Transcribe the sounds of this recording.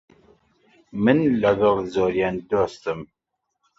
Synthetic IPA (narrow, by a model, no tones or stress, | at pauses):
mənlæɣəðˤzʊɾjænd̪ost̪əm